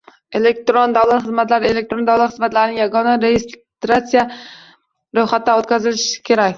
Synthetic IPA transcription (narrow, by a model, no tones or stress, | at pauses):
elek̚t̪ɾond̪awlˠat̪χɨzmat̪laɾɪelekt̪ɾond̪awlˠat̪χɨzmat̪laɾɪnɪŋjaɡɒnaɾejʲɪst̪ɾat̪sija | ɾɵjχat̪̚ːaot̪kʲazɪlɪʃkʲʰe̞ɾakʲ